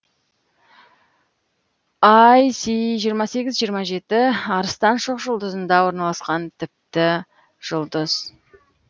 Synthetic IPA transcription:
ɑjsiʒijəɾmɑse̞ɡʲɪzʒijəɾmɑʒe̞t̪ɪɑɾəst̪ɑnʃoqʒʊlˠd̪əzənd̪ɑwo̞ɾnɑlˠɑsqɑnt̪ʰɪp̚t̪ɪ | ʒ̥ʊlˠd̪əz̥

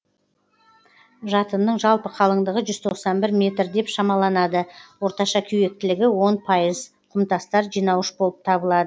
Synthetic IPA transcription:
ʒɑt̪ənːəɴʒɑlˠpəqʰɑlˠəɴd̪əʁəʒʏz̥t̪ʰo̞qsɑnbɪɾmʲe̞t̪ɾd̪e̞pʃɑmɑlˠɑnɑd̪əwo̞ɾt̪ɑʃɑkʲʰʏje̞k̚t̪ɪlɪɡʲɪwo̞npʰɑjəz | qʰʊmt̪ɑst̪ɑɾʒijnɑwəʃbo̞lˠəp̚t̪ʰɑbəlˠɑd̪ə

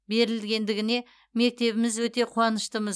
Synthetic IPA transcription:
be̞ɾɪlɡʲe̞nd̪ɪɡʲɪne̞ | me̞k̚t̪e̞βɪmɪzwɵt̪e̞qʰuɑnəʃt̪əməz

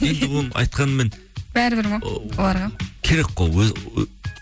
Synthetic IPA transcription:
end̪ɪbʊnɨʔɑ̰jt̪̚qʰɑnmɪn | b̥æɾɪbɪɾmuolˠɑɾʁɑkʲʰeɾek̚ʲqoøz

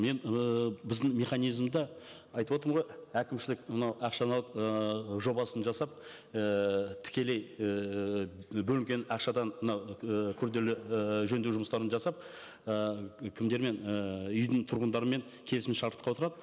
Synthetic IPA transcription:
me̞nbɪzd̪ɪŋme̞χɑnijzmd̪ɑ | ɑjt̪əbwo̞t̪əɾəmʁo̞jækʲɪmʃɪlɪkmənɑwɑqʃɑnɑlˠəpʒo̞bɑsənʒɑsɑp̚ | ət̪ʰɪ̥kʲe̞le̞j | bɵlɪŋkʲe̞nɑqʃɑd̪ɑnmənɑwkʲʰʏɾd̪e̞lɪʒɵnd̪eʒʊməst̪ɑɾənʒɑsɑp̚ | əkʲʰɪmd̪e̞ɾme̞nəʏjd̪ɪɴt̪ʰʊɾʁənd̪ɑɾəme̞ŋ | kʲʰe̞lɪsmɪnʃɑɾt̪əqɑwo̞t̪əɾɑd̪ə

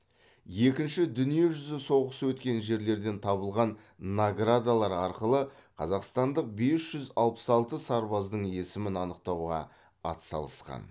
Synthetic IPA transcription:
je̞kʲɪnʃɪd̪ʏnije̞ʒʏzɪso̞ʁəsəwɵt̪kʲe̞nʒe̞ɾle̞ɾd̪e̞nt̪ʰɑβəlˠʁɑnː | aɡrad̪alˠɑɾɑɾqəlˠəqʰɑ̰zɑqst̪ɑnd̪əq̚be̞sʒ̥ʏzɑ̰lˠpə̥sɑlˠt̪əsɑɾbɑzd̪əɴe̞sɪmɪnɑnəq̚t̪ɑwʁɑ̰ | ɑ̰t̪sɑ̰lˠəsqɑ̰n

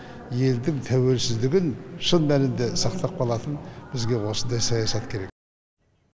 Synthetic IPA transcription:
je̞ld̪ɪŋt̪ʰæwe̞lsɪzd̪ɪɡʲɪnʃənˠmælɪnd̪e̞sɑqt̪ɑp̚bʰɑlˠɑt̪ənbɪzɡʲe̞wo̞sənd̪ɑjsɑjɑsɑt̪kʲʰe̞ɾe̞k̚

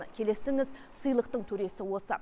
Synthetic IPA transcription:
əkʲʰe̞le̞sɪŋɪz | səjlˠəq̚t̪əɴt̪ʰɵɾe̞sɪwo̞sə̰

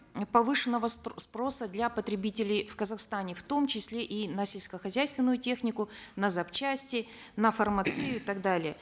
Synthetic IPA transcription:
pɐvɨʂɨnːəvəspɾo̞səd̪lʲapət̪ɾʲɪbʲitʲɪlʲɪjfkəzɐxst̪anʲɪft̪o̞mt͡ɕɪsʲlʲeʔinəsʲɪlʲskəxɐzʲæjst̪vʲɪnːʊjʊtʲe̞xnʲɪkʊnəzɐpt͡ɕæsʲtʲɪə | nəfərmɐt̪sɨjʊɪt̪aɡd̪alʲɪjə

